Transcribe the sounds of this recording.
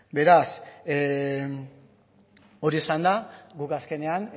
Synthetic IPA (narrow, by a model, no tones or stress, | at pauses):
be̞ɾas | o̞ɾiesand̪aɡukaske̞ne̞an